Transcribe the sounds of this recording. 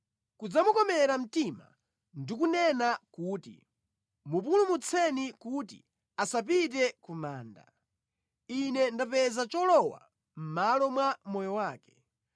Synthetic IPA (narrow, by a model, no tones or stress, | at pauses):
kud͡zamukɔmɛɾam̩tima | ndikunɛnakuːtḭ | mup̬ulumut͡sʰɛnikut̬ḭ | asap̬it̬ɛkumaːnda̰ | inɛndapɛzat͡ʃɔlɔwa̰ | m̩malɔmwamɔjɔwaːkɛ̥